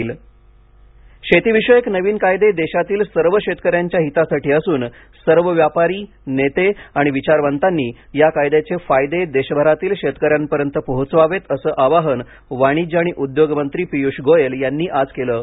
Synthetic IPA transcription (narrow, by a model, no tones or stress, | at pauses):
l | ɕet̪iʋiɕəjəknəʋiːnkajd̪ed̪eɕat̪iːlsəɾʋəɕet̪kəɾjaɲt͡ɕjaɦit̪asaʈiːəsuːn | səɾʋəʋjapaɾiː | net̪eaɽ̃iʋit͡ɕaɾʋənt̪anːiː | jakajd̪et͡sefajd̪ed̪eɕəbʱəɾat̪iːlɕet̪kəɾjampəɾjənt̪əpəɦut͡sʋaʋet̪əsəːʔaʋaɦən | ʋaɽ̃iːd͡ʑaɽ̃iʔud̪joɡmənt̪ɾiːpijuʂɡojeljanːiːʔad͡zkeləː